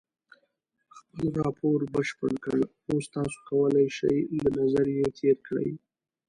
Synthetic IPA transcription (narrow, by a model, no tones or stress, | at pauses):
xpəlɾɑpʰoɾbəʃpəɳkəɽ | ost̪ɑso̥kawəlajʃa̰jlanazaɾjet̪ʰeɾkɽə̰j